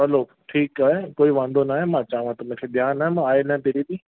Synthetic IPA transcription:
ɦɐloː | ʈʰiːkaːekoːiʋãːnd̪onaːɦemãt͡ʃaːʋãt̪ʊm̤ẽkʰeːɗ̪jaːnaːemãaːelãẽt̪eːɾidiː

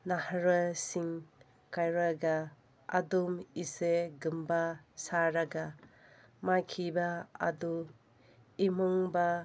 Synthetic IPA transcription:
nahaɾasiŋ | kajɾaɡa | adumiseɡɯmbasaɾaɡa | makʰibaa̰du | imuŋba

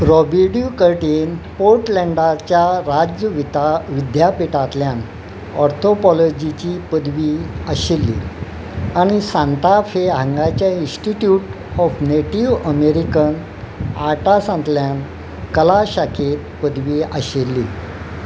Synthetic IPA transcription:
ɾɔbiɽjukəɾʈenpoɾʈlɛɳɖat͡ɕjaɾad͡ʑəʋit̪aʋid̪japeʈat̪ljan | ɔɾt̪ʰopɔlɔd͡ʑit͡ɕiːpəd̪ʋiːəɕelːḭː | aɽ̃isãnt̪afeɦãŋɡat͡ɕjainsʈiʈjuʈ | ɔfneʈiʋəmeɾikən | aɾʈasãnt̪ljan | kəlaɕakʰet̪̚pəd̪ʋiːəɕelːḭː

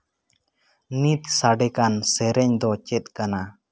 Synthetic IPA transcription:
nit̪̚saɖɛkansɛɾɛɲd̪ɔt͡ʃɛt̪̚kana

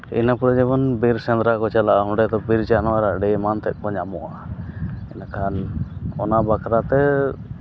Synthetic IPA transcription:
ḭnapuɾɛd͡ʒɛbɔnbiɾsɛ̃nd̪ɾakɔt͡ʃalaʔaɦũɳɖɛt̪ɔbiɾd͡ʒanɔaɾaɖɛmant̪ɛʔ̚kɔɲamɔʔaʔ | ɛnakʰanɔnabakʰɾat̪ɛ

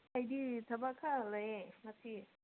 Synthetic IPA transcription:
ɐjditʰɐbakʰalɐjemɐsi

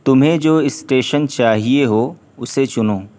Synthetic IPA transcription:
t̪ʊm̤ẽd͡ʑoːɪsʈeːʃənt͡ɕaːɦieɦoː | ʊset͡ʃʊnõː

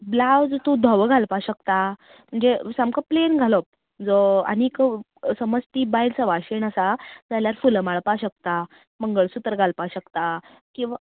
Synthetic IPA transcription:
blawd͡zt̪ud̪ʱɔʋɡʱalpaɕəkt̪a | m̤əɳd͡zesamkəplenɡʱaləp̚ | d͡zɔa̰nik | səməst̪iːbajlt͡səʋaɕeɳəsad͡zaljaɾfulmaɭpaɕək̚t̪a | məŋɡəɭsut̪əɾɡʱalpaɕəkt̪a | kĩw̃ʋa

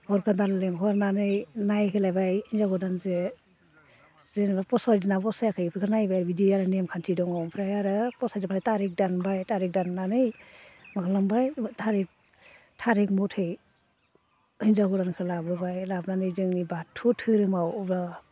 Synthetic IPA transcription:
bɔɾkandalleŋkʰɔɾnanɯjnajkʰɯlajbajhinzaɡɔdanze | zenbapɔsadanabɔsajakʰajpʰɾkʰɯɾnajbajɾbidiaɾɯnemkʰantʰidɔŋawpʰɾajaɾɯpɔsadapʰajtaɾik̚danbajtaɾik̚danːanɯjmakʰalambajtʰaɾik̚ | tʰaɾik̚mɔtʰɯj | hinzaɡɔdankʰɯlabɯbajlabnanɯjzɯŋnibatʰːutʰɯɾɯmawɾa

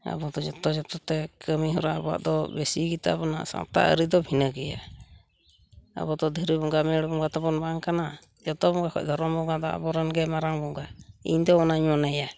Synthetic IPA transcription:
a̰bɔd̪ɔd͡ʒɔt̪ɔd͡ʒɔt̪ɔt̪ɛkʰəmiɦɔɾaʔbɔwa̰ʔd̪ɔbesiɡit̪a̰bɔna̰ʔsa̰ŋt̪a̰ʔə̰ɾid̪ɔbʱinəɡɛja̰ | a̰bɔd̪ɔd̪ʱəɾibɔŋɡamɛɽbɔŋɡat̪ɔbɔnbaŋkana | d͡ʒɔt̪ɔbɔŋɡakʰɔ̰c̚d̪ʱɔɾɔmbɔŋɡad̪ɔa̰bɔɾɛnɡɛmaɾaŋbɔŋɡaḭɲd̪ɔɔnaɲanaja

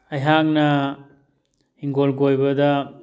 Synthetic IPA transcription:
ɐjɦak̚nɐ | hiŋɡolɡojbɐdɐ

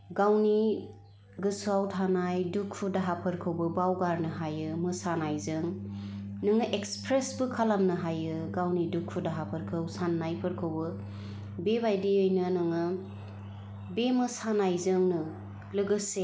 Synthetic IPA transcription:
ɡawni | ɡɯsuawtʰanajdukʰːudaɦapʰɯɾkʰɯwbɯbawɡaɾnɯɦajɯmɯsanajzɯŋ | nɯŋɯʔekspʰɾesbɯkʰalamnɯɦajɯɡawnidukʰudaɦapʰɯɾkʰɯwsanːajpʰɯɾkʰɯwbɯ | bebajdiɯjnɯnɯŋɯ | bemɯsanajzɯŋnɯ | lɯɡɯse

